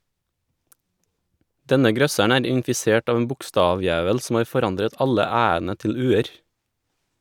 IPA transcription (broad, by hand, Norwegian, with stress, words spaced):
ˈdɛnə ˈɡɾœsæɳ ˈæːɾ ɪnfɪˈseːʈ ˈɑːʋ n̩ ˈbʊkˌstɑːˌʋjæːʋəl sm̩ ˈɑːɾ fɔˈɾɑndɾət ˈɑʎə ˈæːənə ˈtɪʎ ˈʉːəɾ